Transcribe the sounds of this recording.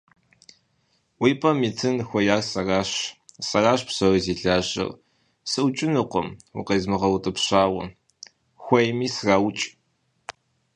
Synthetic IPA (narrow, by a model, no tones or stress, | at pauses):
wʷiːpʼɐmiːtʰɨnxʷɔjaːrsɐraːɕsɐraːʃpɕɐriziːɬaːɕɐ̰r | sɨʊt͡ʃʼɪnɨqʷɔ̰mwʊ̰qeːzmɨʁɐwʊtʼɨpɕaːwɐ̰ | xʷɔjmiːsraːwt͡ʃʼ